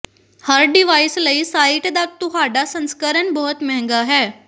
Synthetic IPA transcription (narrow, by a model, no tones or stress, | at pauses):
həɾɖiʋaisləiːsaiʈd̪ak̚t̪uɦaɖasə̃nskəɾənbɔɦɔt̪mɛ̃ŋɡaɦɛ